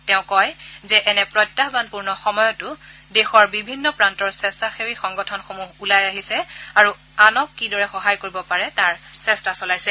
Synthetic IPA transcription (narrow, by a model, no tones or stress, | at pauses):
tɛʊ̃kɔjzɛʔɛnɛpɹɔjtːaɦbanpuɹnɔxɔmɔjɔtʊ | dexɔɹbibʱinːɔpɹantɔɹsɛstaxewixɔŋɡɔtʰɔnxomuɦulajaɦisɛaɹu | anɔkːidɔɹɛxɔɦajkoɹibɔpaɹɛtaɹsɛstasɔlajsɛ